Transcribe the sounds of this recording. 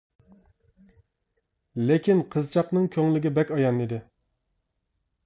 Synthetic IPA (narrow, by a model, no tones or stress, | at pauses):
lɪkʲinqʰəzt͡ʃʰɑqnɨŋkʲʰøŋlɪɡʲɪbɛkʲɑjɑnid̪ɪ